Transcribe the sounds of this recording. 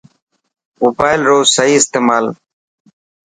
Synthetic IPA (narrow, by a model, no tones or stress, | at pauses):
moːbaːɪlɾoːsəɦiːɪst̪eːmaːl